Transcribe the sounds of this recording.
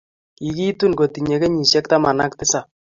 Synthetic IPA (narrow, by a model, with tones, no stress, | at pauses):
i˨ki˦tu˦nɡo˨ti˨ɲe˨ke˦ɲi˨ʃjɛ˦kta˦ma˨na˦k̚tɪ˦sa˨